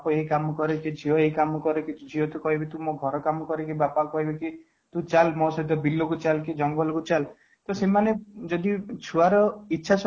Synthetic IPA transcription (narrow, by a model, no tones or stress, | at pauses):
pɔeɦikamɔkɔɾeked͡ʒʱiɔeikamɔkɔɾekid͡ʒʱiɔt̪ukɔɦibet̪ũmɔɡʱɔɾɔkamɔkɔɾekibapakɔɦibeki | t̪ũt͡ʃalmɔsɔɦit̪̬ɔbilːokut͡ʃalkid͡ʒɔŋɡɔlɔkut͡ʃal | t̪ɔsemaned͡ʒɔd̪it͡ʃʰuaɾɔitːt͡ʃʰasɔ